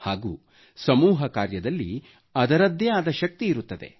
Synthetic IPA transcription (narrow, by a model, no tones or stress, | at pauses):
haːɡuː | sɐmuːɦɐkaːɾjɐd̪ɐlːḭ | ɐd̪ɐɾɐd̪ʱjɐjaːd̪ɐʃɐk̚t̪iːɾut̪ːɐd̪e̞̰